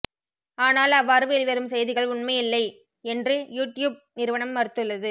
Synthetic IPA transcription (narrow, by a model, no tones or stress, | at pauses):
aːnaːlɐʋːaːɾɯʋeːlɪʋɐɾɯmsɛjðɪɣɐɭʊɳmɐjɪlːɐɪ | ɛndrɯjuːʈːjuːb̚nɪɾɯʋɐɳɐmːɐɾɯt̪ːɯɭːɐðɯ